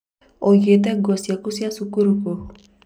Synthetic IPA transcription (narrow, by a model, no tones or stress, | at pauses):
ojet̪̬ɛɡɔsjakusiasukuɾuko